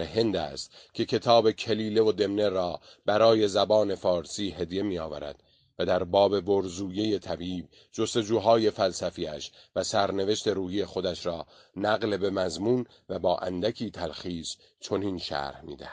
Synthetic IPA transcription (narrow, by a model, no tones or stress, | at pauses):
eɦe̞nd̪æ̰ːst̪cʲʰe̞cʰe̞t̪ʰɒːbe̞cʰe̞liːle̞vo̞d̪e̞mne̞ɾɒː | b̥æɾɒːje̞zæbɒːne̞fɒːɾsiːɦe̞d̪je̞miːɒːvæɾæ̰d̪̥ | væd̪æɾbɒːbe̞bo̞ɾzuːje̞je̞t̪ʰæbiːb̚ | d͡ʒo̞st̪e̞d͡ʒuːɦɒːje̞fælsæfiæ̰ʃvæsæɾne̞ve̞ʃt̪e̞ɾuːhije̞xo̞d̪æʃɾɒː | næɣlebe̞mæzmuːn | væbɒːʔæ̰nd̪ækʰiːt̪ʰælxiːs | t͡ʃʰo̞niːnʃæ̰ɾhmḭːd̪æ̰hæ̥d̪̥